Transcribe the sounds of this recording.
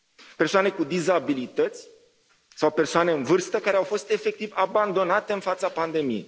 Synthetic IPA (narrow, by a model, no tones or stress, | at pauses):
pe̞rsoane̞kud̪izabilit̪ət̪sʲ | sawpe̞rsoane̞ɨnvɨrst̪əkaɾeawfo̞st̪e̞fe̞k̚t̪ivaband̪o̞nat̪e̞ɨnfat̪sapand̪e̞mije̞̰j